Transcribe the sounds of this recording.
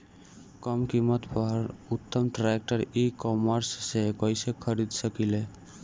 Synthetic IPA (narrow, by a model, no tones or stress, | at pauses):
kɔmkimət̪pɔɾut̪ːəmʈɾek̚ʈəɾikɔməɾsːekɔjsekʰəɾid̪səkile